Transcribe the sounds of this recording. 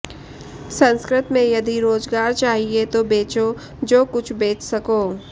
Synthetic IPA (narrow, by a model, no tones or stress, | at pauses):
sɐ̃nskɾɪt̪mẽjɐd̪iɾoːzɡaːɾt͡ʃaːɦiet̪obeːt͡ʃo | d͡ʒoːkʊt͡ʃʰbeːt͡ʃʰsɐkoː